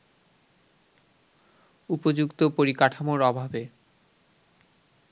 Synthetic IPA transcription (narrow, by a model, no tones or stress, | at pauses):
upod͡ʑukt̪opoɾikaʈʰamoɾɔbʱabe